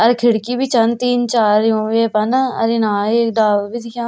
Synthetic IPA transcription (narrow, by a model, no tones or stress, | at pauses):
əɾkʰɪɽkiːbiːt͡ʃənt̪iːnt͡ʃaːɾjũːʋepənaə̰ɾinãːeːkɖaːʋbʱiːt̪ʰikãː